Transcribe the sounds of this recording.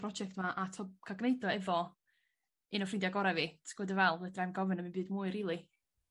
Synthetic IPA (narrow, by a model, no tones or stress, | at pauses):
rɔd͡ʒɛk̚tmaʔatʰɔb̚kʰaɡneɨdɔɛvɔ | ɨnɔfrɪndjaɡɔɾɛvitʰɡ̥ɔdəvɛlˠədramnɡɔvənəmɨnbɨːdmuːɨriːlˠi